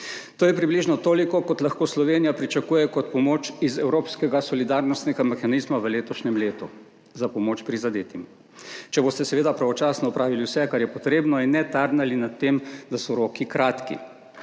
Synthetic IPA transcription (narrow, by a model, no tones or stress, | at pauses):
t̪oːjɛpɾibliʒnɔt̪oːlikɔkɔt̪laxkoːslɔʋeːnijapɾit͡ʃakuːjɛkɔt̪̚pɔmoːt͡ʃizɛwɾoːpskɛɡasɔlid̪aɾnɔst̪nɛɡamɛxanizmaʋəleːt̪ɔʃnɛmleːt̪u | zapɔmoːt͡ʃpɾizad̪eːt̪im | t͡ʃɛboːst̪ɛsɛʋeːd̪apɾaʋɔt͡ʃaːsnɔɔpɾaːʋiliwsɛkaɾjɛpɔt̪ɾeːbnɔinːɛt̪aɾnalinat̪ːemd̪asɔɾoːkikɾaːt̪kḭ